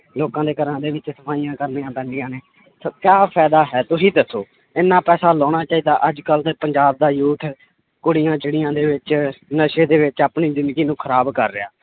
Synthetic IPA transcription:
loːkãːd̪eːkəɾãːd̪eːʋɪt͡ʃsəpʰaːijãːkəɾniãːp̪ɛːnɖɪːãːneː | soːkjaːpʰɛːd̪aːɦɛːt̪ʊsiːd̪əsoː | ɪnːãːpɛːsaːlɔːɽ̃aːt͡ʃaːiːd̪aːʔəd͡ʒkəlt̪eːpəɲd͡ʒaːb̚d̪aːjuːt̪ʰ | kʊɽijãːt͡ʃəɽijãːd̪eːʋɪt͡ʃnəʃeːd̪eːʋɪt͡ʃapɳiːzɪ̃nd̪ɡiːnũːkʰəɾaːbkəɾːɪaː

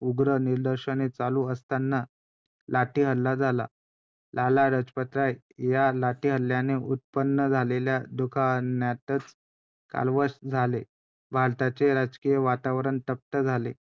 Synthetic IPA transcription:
uɡɾəniɾd̪əɾɕənet͡saluəst̪anːa | laʈiːɦəlːad͡zʱala̰ | lalaɾəd͡zpət̪ɾaj | jalaʈiːɦəlːjaneʔut̪̚pənːəd͡zʱaleljad̪ukʰanjat̪ət͡s | ka̰lʋəɕd͡zʱale | bʱaɭt̪at͡seɾad͡zkijəʋat̪aʋɾəɳt̪əp̚t̪əd͡zʱalḛ

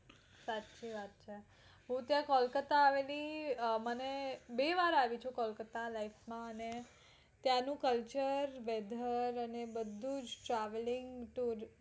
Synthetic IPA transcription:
satːt͡ʃiʋat̪̚t͡ʃʰe | ɦũt̪jãkɔlkət̪aːʋelimənebeʋaɾaʋit͡ʃʰukɔlkət̪alaifmãəne | t̪janũkəlt͡ʃəɾʋɛd̪ʱəɾənebəd̪ʱːud͡ʒʈɾaʋlɪŋɡʈuɾ

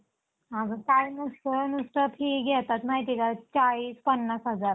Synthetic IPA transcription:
aɡəkanusʈ̪ənusʈ̪əpʰiːkɡʱɛt̪at̪maɦit̪ikat͡ɕaɭiːspənːasɦəd͡zaɾ

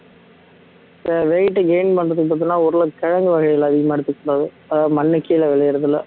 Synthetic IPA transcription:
ɛʋeːjɪʈːɯɡeɪnpɐnrɐðɯkɯp̬aːt̪̬ːɪnːaːɔɾɯlɐkɛɻɐŋɡɯʋɐɣɐɪjɐlɐðɪɣɐmaːɛɽɯt̪ːɯkːuːɽaːðɯ | ɐðamɐnːɪkːɐjɪlɐʋɛɭɐjɪɾɐðɪlːɐ

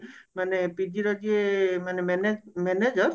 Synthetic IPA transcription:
manepid͡ʒiɾɔd͡ʒiemanemɛned͡ʒmɛned͡ʒəɾ

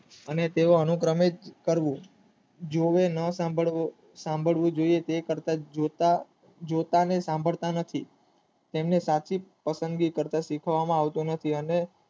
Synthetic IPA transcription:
ənet̪eʋoənukɾəmed͡ʒkəɾʋũ | d͡ʒoʋenəsabʱəɭ | sãmbʱəɭʋũd͡ʒoiet̪ekəɾt̪ad͡ʒot̪a | d͡ʒot̪anesãmbʱəɭt̪anət̪ʰi | t̪emnesat͡ʃʰipəsə̃nd̪ɡikəɾt̪asikʰʋamãaʋt̪unət̪ʰiəne

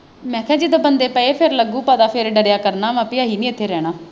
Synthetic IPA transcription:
mɛ̃ːkʰɛ̃ːd͡ʒiːd̪oːbənd̪eːpəeːpʰeɾləɡũːpəd̪aːpʰeɾɖəɾjaːkəɾnaːmãːpɪaːɦiːnĩːɪt̪ʰːeːɾɛːɽ̃aː

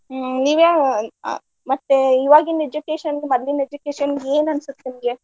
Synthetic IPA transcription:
niːʋa̰ | mɐt̪ːeiʋaːɡined͡ʒukeːʃɐnɡemɐd̪lined͡ʒukeːʃɐnɡeːnɐnsut̪ːinɡe

